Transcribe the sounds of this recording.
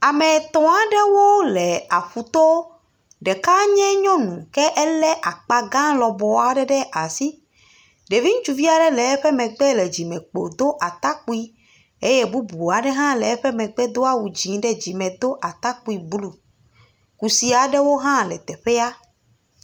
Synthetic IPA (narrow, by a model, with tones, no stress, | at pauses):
a˨mɛ˨t̪ɔ̃˨a˨ɖe˦wo˦lɛ˨a˨ɸu˨t̪ɔ˦ | ɖɛ˨ka˦ɲɛ̃˦ɲɔ̃˦nũ˨kɛ˦ʔɛ˦lɛ˦ʔa˨k͡pa˨ɡã˦lɔ˨bɔ˨a˨ɖɛ˦ɖɛ˦ʔa˨si˦ | ɖe˨vi˦ŋũ˦t͡ʃu˨vi˦a˨ɖɛ˦lɛ˨ɛ˦ɸɛ˦mɛ̃˨ɡ͡bɛ˦lɛ˨d͡ʑi˨mɛ̃˨k͡po̰˨d̪o˦ʔa˨t̪a˦ku˦i˦ | e˦je˦bu˦bu˨a˨ɖɛ˦ɦã˦lɛ˨ɛ˦ɸɛ˦mɛ̃˨ɡ͡bɛ˦d̪o˦a˦wu˨d͡ʑĩ˨ŋ˦ɖɛ˦d͡ʑi˨mɛ̃˨d̪o˦ʔa˨t̪a˦ku˦i˨blu˨ | ku˨si˨˦a˨ɖɛ˦wo˦ɦã˦lɛ̰˨t̪ɛ˨ɸɛ˦a˦